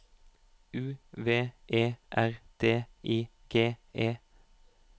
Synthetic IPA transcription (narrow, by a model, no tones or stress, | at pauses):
ʉːʋeːʔeːʔæʁt̪ʰeːʔiː | ɡ̥eːeː